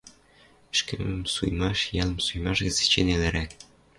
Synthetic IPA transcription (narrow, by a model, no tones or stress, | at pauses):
ɘ̆ʃkɘ̆mɘ̆msujmɑʃjɑlˠɤ̆msujmɑʃɣɘ̆zɘ̥̆t͡ɕenelɘ̆ɾæk